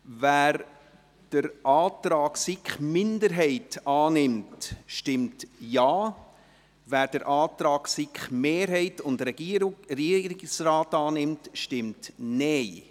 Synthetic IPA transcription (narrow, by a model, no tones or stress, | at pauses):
væːɾ | d̥əɾʔɑːtɾɑːksɪkχmɪndəɾɦɛɪtɑːnɪmtʃtɪmtjaː | væːɾd̥əɾʔɑːtɾɑːksɪkχmeːɾɦɛɪtʊndɾɛɡiriəɾɪsraːtɑːnɪmtʃtɪmtnɛɪ